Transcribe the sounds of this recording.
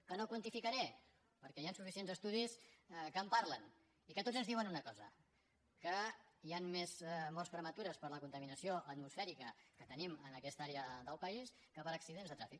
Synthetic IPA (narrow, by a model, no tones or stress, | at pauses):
kənokwənt̪ifikəɾɛ | pəɾkɛjansufisienzəst̪uðiskəːmpaɾlən | ikət̪od͡zənzðiwənunəkɔzə | kəianmezmɔrspɾəmət̪uɾəspəɾləkunt̪əminəsioʔət̪musfɛɾikəkət̪ənimənəkɛst̪aɾeəðəlˠpəis | kəpəɾəksiðenzðət̪ɾafik